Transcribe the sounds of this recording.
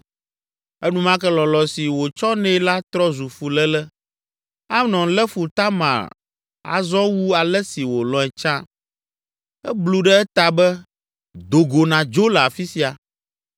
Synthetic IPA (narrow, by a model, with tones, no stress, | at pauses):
ɛ˦nũ˦mã˦kɛ˦lɔ˨lɔ˨si˨wo˨t͡ʃɔ˦nɛ̃˦la˦t̪ɾɔ˦zu˨fu˨lɛ˦lɛ˦ | a˦nɔ̃˨˦lɛ˦fu˨t̪a˦mã̰˨ɾ | a̰˨zɔ̃˦wu˦a˨lɛ˦si˨wo˨lɔ˨ɛ˨t͡ʃã˦ | ɛ˦blu˨ɖɛ˦ɛ˦t̪a˨bɛ˦ | d̪o˨ɡo˨nã˨d͡ʒo˦lɛ˨a˨fi˦si˦a˨